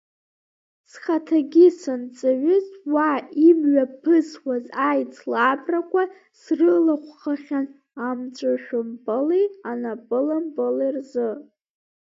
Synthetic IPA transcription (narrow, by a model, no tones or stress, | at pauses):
sχatʰaɡʲɪsɨnt͡sʼaɥʊzwaimɥapʰɨswazajt͡sʰlabrakʷʰa | srɨlaχʷχaχʲan | amt͡ʃʷʼaʃᶣʊmbalijanapʼɨlambɨlerzɨ